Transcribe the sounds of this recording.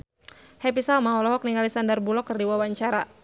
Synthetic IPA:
hɛp̬isalmaɔlɔɦɔk̚niŋalisandərbulɔkːərdiwawaɲt͡ʃaɾa

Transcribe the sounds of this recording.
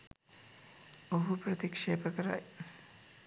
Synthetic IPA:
oɦupɾət̪ikʂeːpəkəɾa̰j

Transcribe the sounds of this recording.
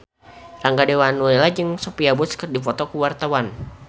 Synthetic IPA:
raŋɡadewanuelad͡ʒɨŋsopiabuskərdifɔt̪ɔkuwart̪awan

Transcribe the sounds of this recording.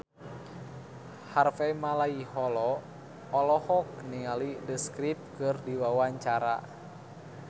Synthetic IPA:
harfɛmalaihɔlɔː | lɔhɔk̚niŋalidəskɾip̚kɨrdiwawaɲt͡ʃaɾa̰

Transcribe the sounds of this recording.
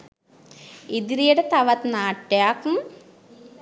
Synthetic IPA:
id̪iɾijuɽet̪ɐʋɐt̪naːʈːjaːkum

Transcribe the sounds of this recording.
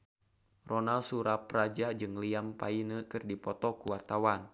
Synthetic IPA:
rɔnalsuɾaprad͡ʒad͡ʒɨŋliampainəkɨrdipɔt̪ɔkuwart̪awan

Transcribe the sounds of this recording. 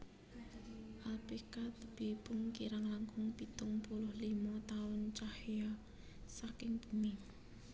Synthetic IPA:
ʔalpekat̪əb̥ebʊŋkiɾaŋlaŋkʊŋpit̪ʊŋpulʊhlimɔt̪aʊnt͡ʃahjɔ | sakɪŋb̥umɪŋ

